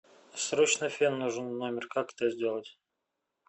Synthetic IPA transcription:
sɾot͡ɕnɨfʲimnuʐɨnnomʲɪrkakɛ̥t̪əzʲdʲe̞lˠətʲ

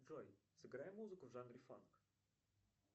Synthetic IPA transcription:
ʐɔjsɨɡɾajɛmuzɨkʊvʐand̪ɾʲɪfa̰nk

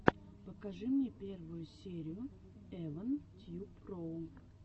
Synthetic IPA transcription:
pəkɐʐɨmnʲepʲe̞rvʊjʊsʲeɾʲɪjʊ | ɛvənt̪ʲjuproʊ

